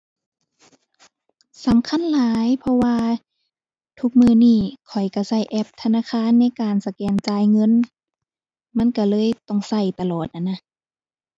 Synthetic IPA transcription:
sa˨˦mkʰa˧˥˨nlaː˨˦jpʰɔ˧waː˧ | t̪ʰu˧k̚mɯː˧niː˧˩kʰɔ˨˩jka˧˩sa˧˩jʔɛ˧p̚t̪ʰa˧naː˧˨kʰaː˧˥˨nːa˧˥˨jkaː˨nsa˧kɛː˨˩nt͡ɕaː˧˩jŋɤ˧˥˨n | ma˧˥˨nka˧˩lɤː˧˥˨jt̪ɔ˧˩˨ŋsa˧˩jt̪a˧lɔː˨˩t̪̚ʔa˧˨nːa˧˥˨

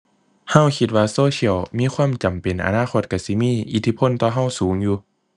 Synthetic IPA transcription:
ha˧˩˨wkʰi˧t̪̚waː˧soː˧˨si˧ə˨wmiː˧˥˨kʰwaː˧˥˨mt͡ɕa˨˩mpe˨˩˨nʔa̰˨naː˧˥˨xʰo˧˩t̪̚ka˧˩si˧˦miː˧˥˨ʔi˧˩t̪ʰi˧˩pʰo˧˥˨nt̪ɔː˧˩ɦa˧˥˩wsuː˩˦ŋjuː˧

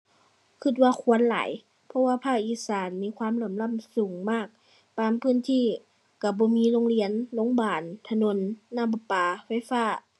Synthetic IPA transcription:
kʰɯ˧t̪̚waː˧˨kʰu˧˥˨ənla̰ː˨˦j | pʰɔ˧˨waː˧˨pʰaː˧˩k̚ʔiː˧˩saː˨˦nmiː˧˥˨kʰwaː˧˥˨mlɤː˧˩˨mla˧˥˨msuː˨˩˦ŋmaː˧˥˩k̚ | t̪aː˧˨mpʰɯː˧˥˨nt̪ʰiː˧˥˨ | ka˧˩bɔː˧˦miː˧˥˨lo˧˥ŋli˧˨ənlo˧˥˨ŋbaː˨˩nt̪ʰa˧no˧˥˨nːaː˧˥˨mba˧paː˨˧fa˧˥˨jfaː˧˩˨

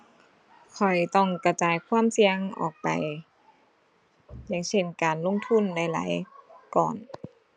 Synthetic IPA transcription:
kʰɔ˨˩jt̪ɔ˧˥˩ŋka˧˩t͡ɕaː˨˦jkʰwaː˧˥˨msi˧əŋʔɔ̰ː˨˩k̚pa̰˨j | ja˧˥˨ŋse˧˥˩nkaː˨˩nlo˧˥˨ŋt̪ʰu˧˥˨nːa˧˩jla̰ː˨˦jkɔ̰ː˨˩n

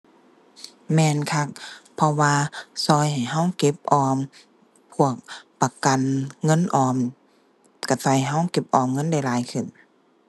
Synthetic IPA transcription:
mɛː˧nkʰa˧˥k̚pʰɔ˧waː˧sɔː˧˩jha˨˩jɦa˧˥˨wke˧˥p̚ʔɔː˧m | pʰu˧˥˩ək̚pa˧ka˨nŋɤ˧˥˨nʔɔː˧˩m | ka˧˩sɔ˧˩jɦa˧˥˨wke˧˦˥p̚ʔɔː˧˩mŋɤ˧˥˨nda˧˩˨jlaː˨˦jkʰɯ˨˩˨n

